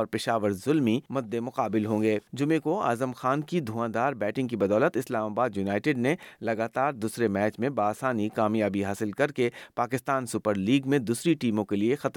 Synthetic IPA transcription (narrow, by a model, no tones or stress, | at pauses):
ɔːɾpɪʃaːʋəɾzʊlmimʊd̪ːemʊqaːbɪlɦõːŋɡeːd͡ʒʊmẽkoa̰ːzəmxaːnkid̪ʱuãːd̪aːɾbɛːʈɪ̃ŋɡkibɐd̪ɔːlət̪ɪslaːmaːbaːd̪junaːɪʈɪɖnelɐɡaːt̪aːɾd̪uːsɾemɛːt͡ʃmẽbaːsaːnikaːmjaːbiɦaːsɪlkɐɾkepaːkɪst̪aːnsʊpəɾliːɡmẽd̪uːsɾiʈiːmõkeliexɐt̪